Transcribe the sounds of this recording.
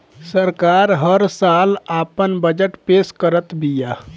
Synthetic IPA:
səɾkaːɾɦəɾsaːlaːpənbəd͡ʒəʈpeːskəɾət̪bijaː

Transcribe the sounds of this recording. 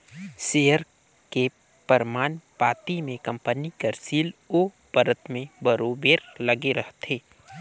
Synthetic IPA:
seːɦəɾ | ke | pəɾmaːnpaːt̪imẽkɐ̃mpənikəɾsiːloː | pəɾət̪mẽbəɾoːbeːɾlɐɡeɾəɦt̪eː

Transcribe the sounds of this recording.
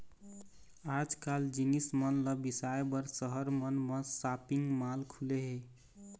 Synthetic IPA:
ad͡ʒkald͡ʒinismənləbisaebəɾsəɦəɾmənmesapiŋɡmalkʰuleɦe

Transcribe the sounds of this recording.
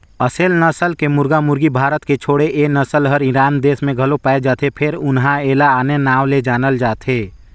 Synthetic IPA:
əseːlnəsəlkemʊɾɡamʊɾɡibʱaːɾət̪ket͡ʃʰoːɽeʔenəsəlɦəɾɪɾaːnd̪eːsmẽɡʱɐlopaːed͡ʒaːt̪ʰepʰɪɾʊnɦãeːlaaːnenaːʋled͡ʒaːnəld͡ʒaːt̪ʰeː

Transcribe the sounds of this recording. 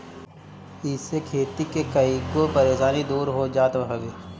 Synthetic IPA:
ɪsekʰeːt̪ikekɐiɡopɐɾeːʃaːnid̪uːɾɦoːd͡ʒaːt̪ɦɐɡeː

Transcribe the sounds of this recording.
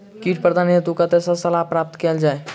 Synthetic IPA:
kiːʈ̚pɾəd̪ʱaːniət̪ukat̪esasəlaːpɾaːp̚t̪keld͡ʒaːe

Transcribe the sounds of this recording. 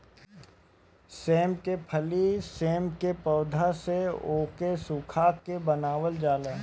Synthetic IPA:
seːmkepʰəliseːmkepɔːd̪ʱaseoːkesukʰaːkebənaːʋəld͡ʒaːleː

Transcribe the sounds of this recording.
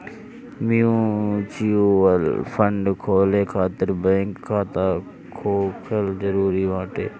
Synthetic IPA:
mijũːt͡ʃiolfʰəɳɖkʰoːleːkʰaːt̪əɾbɛ̃ːŋkʰːaːt̪aː | kʰoːkʰəlzəɾuːɾiːʋãːʈḛː

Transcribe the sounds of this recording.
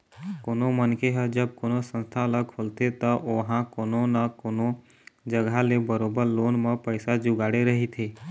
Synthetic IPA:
koːnomənkeɦəd͡ʒəb̚koːnosə̃nst̪ʰaləkʰolt̪et̪əʔoɦãkoːnonəkoːno | d͡ʒəɡʱalebəɾoːbəɾloːnmə̃pəɪsad͡ʒʊɡaːɽeɾəɦit̪ʰeː

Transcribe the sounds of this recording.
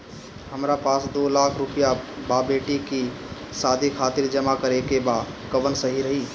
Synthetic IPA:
həmɾapaːsd̪olakʰɾupijababeʈiki | sad̪ʱikʰat̪iɾd͡ʒəmakəɾekeba | kəʋənsəɦiɾəɦi

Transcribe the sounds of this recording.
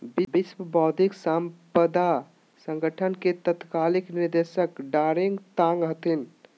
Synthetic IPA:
bibiswəbɔd̪ʱiksampəd̪a | sə̃ŋɡəʈʰənket̪ət̪kalikniɾd̪esəkɖaɾiŋɡt̪ãŋɡɦət̪in

